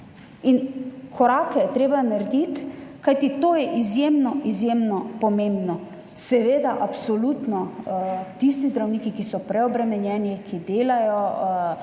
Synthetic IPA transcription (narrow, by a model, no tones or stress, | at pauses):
inkʰɔɾaːkɛjɛt̪ɾeːbanaɾd̪it̪kajt̪it̪oːjɛʔizjemnɔʔizjeːmnɔpɔmẽmbnɔ | sɛʋeːd̪aʔapsɔlut̪nɔ | t̪ist̪izd̪ɾawniːkikisɔpɾɛɔbɾɛmɛnjɛːnikʰid̪eːlajɔ